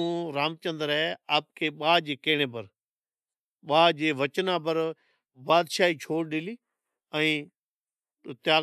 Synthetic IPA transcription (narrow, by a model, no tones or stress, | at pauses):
ũːɾaːmt͡ʃə̃nd̪əɾɦɛːaːp̚kʰeːɓaːd͡ʒeːkeːɽ̃eːbəɾ | ɓaːd͡ʒeːʋət͡ʃnãːbəɾ | baːd̪ʃaːɦiːt͡ʃʰoːɽɗɪliː | ə̃ĩː | t̪jaː